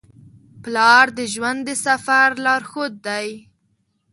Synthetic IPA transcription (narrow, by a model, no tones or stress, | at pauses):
plɑɾd̪əʒwand̪d̪əsafaɾlɑɾxod̪̚d̪aj